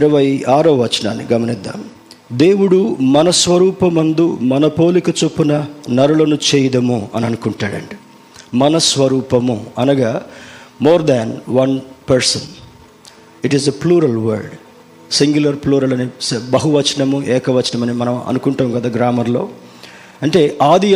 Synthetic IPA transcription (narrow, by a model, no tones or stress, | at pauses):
iɾɐʋɐjaːɾɐʋɐt͡ʃɐna̰ːnːḭɡɐmɐnid̪ːa̰m | d̪e̞ːwuɽumɐnɐsʋɐɾuːpɐmɐnd̪umɐnɐpo̞ːlikɐt͡ʃupːunɐnɐɾulɐnut͡ʃɛːjɐd̪ɐmuɐniɐnukuɳʈaːɽɐ̰ɳɖi | mɐnɐsʋɐɾuːpɐmuɐnɐɡaːmoːɾd̪ɛnʋɐnpɐɾsɐn | iʈizepluːɾɐlʋɐ̰ɾɖ | siŋɡjulɐɾpluːɾɐlɐnisbɐɦuʋɐt͡ʃɐɳɐmuʔɛːkɐʋɐt͡ʃɐɳɐmɐnimɐnɐmɐ̰nukuɳʈɐːmɡɐd̪aːɡɾaːmɐɾlo̞ː | ɐɳʈe̞ːʔaːd̪i